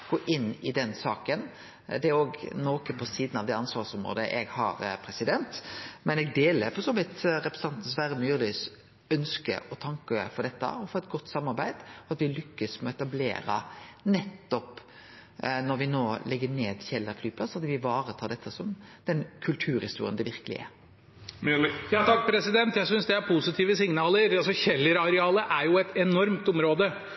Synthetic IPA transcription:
ɡ̥oːʔɪnːɪd̪ɛnsɑːkən | d̪ɛɾoːɡnɔkəpʰɔsiːd̪nɑʋd̪ɛɑnsʋɑːsɔmʁo̰ːd̪əʔɛɡhɑ̰ɾpʰɾɛsɪd̪ɛnt̪mɛnɛɡd̪eːləɾfɔɾsɔmɪt̪ɾɛpɾɛsɑnt̪n̩sʋæːɾəmyːɾlys | œnskə̰ʔɔt̪ʰɑŋkəfɔd̪ɛt̪ːə̰ɔfɔɾɛt̪̚ɡɔt̪ːsɑmːɑɾbæɪd̪ɔɑt̪ʋɪlʏkːəsmɛɔɛt̪ɑblḛːɾə̰nɛt̪ːɔp | nɔɾʋɪnoːlɛɡːəneːd̪çɛlːəɾflyːpʰlɑsɑt̪ʋɪʋɑːɾət̪ʰɑːd̪ɛt̪ʰːəsɔmd̪̥ɛnkʰʉlt̪ʰʉːɾhɪst̪uːɾɪənd̪ɛʋɪɾkəlɪ̰ɛ̰ | jɑt̪ʰɑkːpʰɾɛsɪd̪ɛnt̪jæɪsʏnsd̪ɛæɾpʰusɪt̪ʰiːʋəsɪŋnɑːləɾɑsɔçɛlːəɾɑɾɛɑːləʔæɾjʊɛt̪ɛnɔɾmt̪ʊmɾoːd̪ə

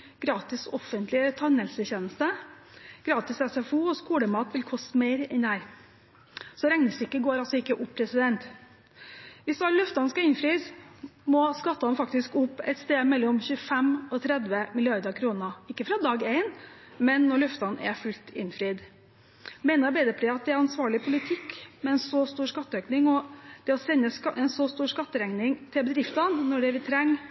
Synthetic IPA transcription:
ɡ̥ɾɑːt̪ɪsɔfənt̪lɪət̪ʰɑnɛlsəçeːnəst̪ə | ɡ̥ɾɑːt̪ɪsɛsɛfuːɔskuːɽəmɑːt̪ʋɪlkʰɔst̪meɪɾɛnd̪ɛhæːɾ | sɔɾɛŋnəsɪkːəɡoːɾɑlsɔɪkːəʔʊpːʰɾɛsɪd̪ɛnt̪ | ʋɪsɑlʉft̪ɑnskɑɪnfɾiːsmɔskɑt̪ːɑnfɑkt̪ɪskʊpːɛ̰ɪt̪st̪eːd̪mɛlːɔmçʉːəfɛmɔt̪ʰɾɛd̪ʋəmɪlɪɑɾd̪əɾkʰɾuːnəɪkːəfɾɑd̪ɑːɡeɪn | mɛnːɔɭʉft̪ɑnʔɛ̰fʉlt̪ɪnfɾiːd̪ | meɪnəɾbeɪd̪əpʰliːɑt̪̚d̪ɛæɾɑnsʋɑːɭɪpʰʊlɪt̪ʰɪkːmɛɛnsɔst̪uːʂkɑt̪ːəøːknɪŋɔd̪̥ɛɔsɛnːəɛnsɔst̪uːɾʂkɑt̪ːəɾɛŋnɪŋt̪ʰɪlbəd̪ɾɪft̪ɑnnɔɖɛʋɪt̪ʰɾɛŋː

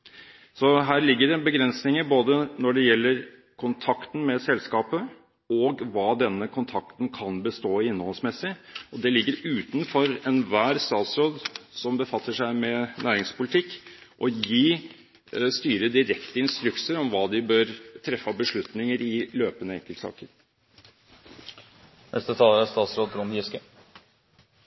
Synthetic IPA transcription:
sɔɦæːɾɭɪɡːəɖɛbəɡɾɛnsnɪŋəboːd̪ənɔɖɛjɛlːəɾ | kʰʊnt̪ʰɑkt̪n̩mɛsɛlskɑːpə | ɔɡʋɑːd̪ɛnːəkʰʊnt̪ʰɑkt̪nkʰɑnbəst̪oːɪnːhɔlsmɛsːɪɔd̪ɛlɪɡːəɾʉːt̪nfɔɾɛnʋæːɾst̪ɑːt̪sɾoːd̪sɔmbəfɑt̪ːəʂæɪmɛnʔæːɾɪŋspʊlɪt̪ʰɪkːʔɔjiː | st̪yːɾəd̪ɪɾɛkt̪əɪnst̪ɾʉksəɾɔmʋɑːd̪ɪbøːɾt̪ʰɾɛfːɑbəʂɭʉt̪nɪŋəɾɪløːpənəɛŋkəlt̪sɑ̰ːkəɾ | nʔɛ̰st̪ət̪ʰɑːləæst̪ɑːt̪sɾoːd̪ɾʊmjɪskə

